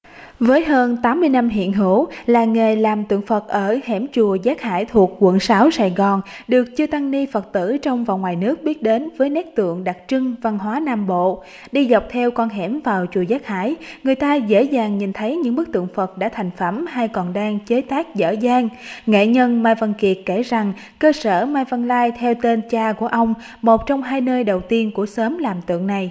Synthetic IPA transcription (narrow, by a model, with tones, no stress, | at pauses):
vəː˨˦jɦəː˧nt̪aː˨˦mːɨ˧əjna˧mɦḭ˧˨ənɦɨ̰˧˥laː˨˩ŋe˨˩jlaː˨˩mt̪ɨ̰˧˨əŋfə˨˩t̚ʔəː˧˩hɛ˧˩mt͡ɕu˨˩əzaː˦˥k̚ha̰ː˧˥jt̪ʰu˨˩ək̚kwə̰˧˨ŋsaː˨˦wsaː˧˨˩jɣɔ˨˩nɗɨ˨˩ək̚t͡ɕɨ˧ət̪a˧ŋni˧fə˨˩t̚t̪ɨ̰˧˩t͡ɕɔ˧wŋ͡mva˨˩wŋ͡mŋwaː˨˩jnɨ˦˥ək̚ɓi˦˥ət̚ɗe˨˦nvəː˨˦jnɛ˦˥k̚t̪ɨ̰˧˨əŋɗa˨˩k̚t͡ɕɨ˧ŋva˧˩nɦwaː˨˦naː˧˩mɓo̰˧˨ | ɗi˧za˨˩wk͡p̚t̪ʰɛ˧wkɔ˧nɦɛ˧˩mvaː˨˩wt͡ɕu˨˩əzaː˦˥k̚ha̰ː˧˥jŋɨ˨˩əjt̪aː˧zḛ˧˥zaː˨˩ŋɲi˨˩nt̪ʰə˨˦jɲɨ̰˧˥ŋɓɨ˦˥k̚t̪ɨ̰˧˨əŋfə˨˩t̚ɗa̰ː˧˥t̪ʰa˨˩jŋ̟fə˧˩mha˧jkɔ˨˩nɗaː˧ŋt͡ɕəː˨˦t̪aː˦˥k̚zə̰ː˧˥zaː˧ŋŋḛ˧˨ɲə˧nmaː˧jvə˧nki˨˩ət̚kːe˧˩za˨˩ŋ | kəː˧səː˧˩maː˧jvə˧nlaː˧jt̪ʰɛ˧wt̪e˧nt͡ɕaː˧ku˧˩əʔə˧wŋ͡m | mo˨˩t̚t͡ɕɔ˧wŋ͡mɦaː˧jnəː˧jɗə˨˩wt̪i˧ənku˧˩əsəː˨˦mlaː˨˩mt̪ɨ̰˧˨əŋna˨˩j